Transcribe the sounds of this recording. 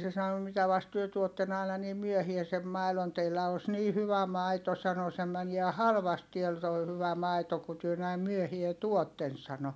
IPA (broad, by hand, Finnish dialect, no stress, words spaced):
se sɑno mitæ ʋɑst tyø tuotːen ɑˑi̯nɑ niːm̆ myøhiæ sem mɑilon teilːæ os niː hyʋæ mɑito sɑno se mæniæ hɑlʋɑst tiæl toi hyʋæ mɑito ku tyø næim myøhie tuotːen sɑno